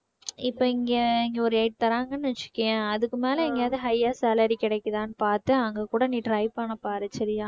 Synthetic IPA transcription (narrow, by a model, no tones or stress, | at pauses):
ɪpːoːɪŋɡeɪŋɡeɔɾɯɛɪʈ̚t̪ɐɾaːŋɡɐnːɯʋɐt͡ʃːɪ̥kːɐjɐ̃ɐðɯkːɯmeːlɐɛŋɡɐjaːðɯɦɐjːaːsaːlɐɾikɪɽɐɪkːɐðãːnɯpaːɾt̪ɯɐŋɡɐkuːɽɐniːɖɾɐɪpanɐpːaːɾɯt͡ʃɐɾɪjaː